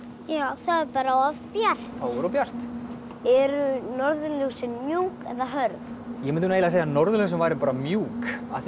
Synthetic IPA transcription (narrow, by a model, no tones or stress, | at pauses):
jaːwθaðɛɾpaːɾaavpjar̥t̪awʏɾɔpjar̥t̪ | ɛɾʏnɔɾðʏluwsɪnmjuːkɛðaɦœɾð | jɛmɪnnejlaseːjanɔɾðʏlʏws̬ʏmvaːjɾɪpaːɾamjuːka̰θ